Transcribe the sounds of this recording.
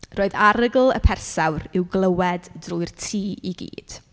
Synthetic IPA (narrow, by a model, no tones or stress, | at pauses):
roːɨðaɾəɡlˠə̰pʰɛrsawɾɪwɡlˠəwɛddruɨrtʰiːiɡḭːd̥